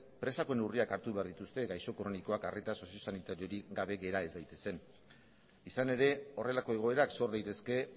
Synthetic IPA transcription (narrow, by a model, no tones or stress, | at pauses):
pɾe̞sako̞enuriakaɾt̪uβe̞aɾðit̪ust̪e̞ɣajso̞kɾo̞niko̞akaret̪aso̞sio̞sanit̪aɾio̞ɾiɡaβ̞e̞ɣe̞ɾae̞zd̪ajt̪e̞̥se̞n | isane̞ɾe̞o̞re̞lako̞e̞ɣ̞o̞e̞ɾakso̞ɾðajt̪e̞ske̞